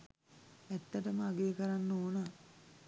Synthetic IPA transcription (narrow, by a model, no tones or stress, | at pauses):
æt̪ːəʈəməaɡeːkəɾanːoːna